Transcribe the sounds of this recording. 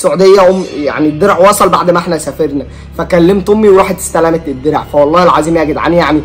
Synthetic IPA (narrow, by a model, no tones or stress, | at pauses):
soʕud̪ejːæʔommːja̰ʕnid̪ːeɾʕwɑsˤɑlba̰ʕd̪mæʔeħnæsæfeɾnæ | fækælːemt̪omːiweɾɑːħet̪e̥st̪ælæmet̪ed̪ːeɾ̰ʕfæwɑlˤːɑːhelʕaziːmjæːɡed̪ʕa̰njaʕni